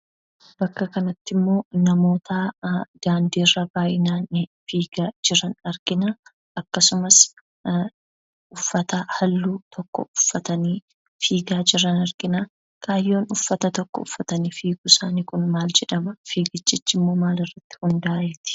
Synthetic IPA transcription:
bɐkːɐkɐnɐt̪ːɪmːo̞ːnɐmo̞ːt̪ad̪̥aːnd̪iːrːɐbaːjɪnaːnɪfiːɡ̥ad͡ʒɪɾɐnɐɾɡ̥ɪna | ʔɐkːɐsʊmɐs | ʊfːɐt̪ɐhɐlːuːt̪ʰɔkːɔ̰ʊfːɐt̪ɐniː | fiːɡaːd͡ʒɪɾɐnɐɾɡ̥ɪna | kʼaːjːo̞ːnʊfːɐt̪ɐt̪ɔkːɔ̰ʊfːɐt̪ɐniːfiːɡusaːnikʊnmaːld͡ʒɛᶑɐmɐfiːɡɪt͡ʃʼːɪt͡ʃːɪmːo̞ːmaːlɪrːɐt̪ːɪ̥hʊnd̪aːjɛt̪ɪ̥

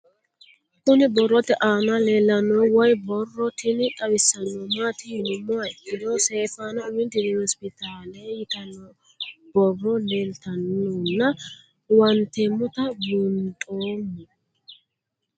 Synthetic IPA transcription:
kʊnɪbɔrːɔt̪ɛʔaːnɐleːlːɐnɔwɔjbɔrːɔt̪ɪnkʼɐwɪsːɐnːɔmaːt̪ɪjɪnɔmʊaɪkːɪd̪oseːfaːnɐʊmɪnt̪ːɪd̪ɪnɔspɪt̪ʰaːlɛjjɪt̪ɐnɔ | b̥ɔrːɔleːlt̪ɐnːonːɐ | wɐnt̪ɛmːɔt̪ɐbʊnt̪ʼoːnːɛ

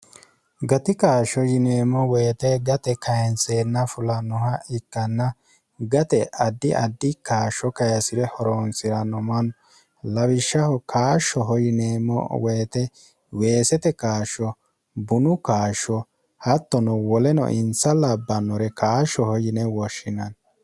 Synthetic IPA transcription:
ɡɐt̪ɪkaːʃɔjɪneːmɔweːt̪ɛɡɐt̪ɛkɐjɛnseːnːɐfʊlɐnʊhɐɪkːɐnːɐ | ɡɐt̪ɛɐd̪ːɪʔɐd̪ːɪkaːʃɔkɐjɐsɪɾɛhɔɾoːnsɪɾɐnɔmɐnɔ | lɐwɪʃːɐhɔkaːʃɔɦɔjɪneːmɔ̰weːt̪ɛ | we̞ːsɛt̪ɛkaːʃːɔ | bʊnʊkaːʃɔ | hɐt̪ːɔnɔwɔlɛnɔ̰ʔɪnsɐlɐbːɐnɔɾɛkaːʃɔhɔjɪnɛwɔʃːɪnɐn

